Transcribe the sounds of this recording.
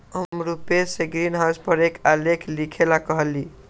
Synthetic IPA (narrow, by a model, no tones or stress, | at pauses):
ɦəmmɾupeseɡɾinɦawspəɾekʰalekʰlikʰelakəɦəli